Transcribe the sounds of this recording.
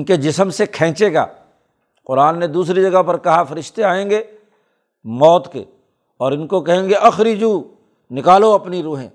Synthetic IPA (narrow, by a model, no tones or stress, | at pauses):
nked͡ʒɪsəmsekʰɛ̃ːt͡ʃeːɡa̰ː | qʊɾaːnːed̪uːsɾid͡ʒɐɡəɦpɐɾkɐɦafɐɾɪʃt̪eaːẽːŋɡeː | mɔːt̪kḛ | ɔːɾɪnkokɐɦẽːŋɡeʔɐxɾid͡ʒuː | nɪkaːloɐpniɾuːɦḛ̃ː